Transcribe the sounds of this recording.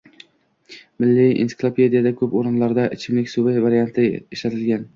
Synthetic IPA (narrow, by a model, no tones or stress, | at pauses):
mɪlːɪḭnsɪ̥klˠopʰed̪ijad̪akʲʰɵpoɾɪnlaɾd̪aʔɪt͡ʃʰɪmlɪkʲsʊvɪvaɾijant̪ʰɪeʃlat̪ʰɪlɡʲan